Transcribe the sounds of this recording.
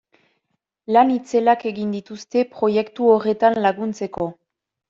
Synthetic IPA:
lanit͡se̞lake̞ɣind̪it̪ust̪e̞pɾo̞je̞kt̪uore̞t̪anlaɣunt͡se̞ko̞

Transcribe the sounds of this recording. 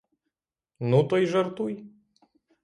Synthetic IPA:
nut̪ɔjʒɐrt̪uj

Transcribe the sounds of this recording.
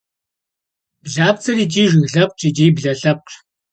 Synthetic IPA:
b̥ɮaːp̚t͡sʰɐɾiːt͡ʃʼiːʒɪɣɮɐp̚ʼt͡ʃʰʼit͡ʃʼiːbɮɐɬɐp̚ʼ

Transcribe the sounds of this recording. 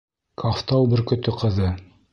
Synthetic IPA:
kʰaft̪ɑlˠbɘ̆ɾkɵ̆t̪ɵqɤ̆ðɤ

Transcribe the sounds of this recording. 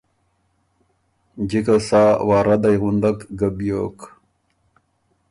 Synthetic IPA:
d͡ʑikasaːwaːɾad̪ajɣund̪akɡabjok

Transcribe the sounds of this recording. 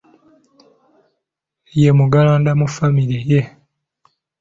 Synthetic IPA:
jemuɡalaːndamufamiɾeje

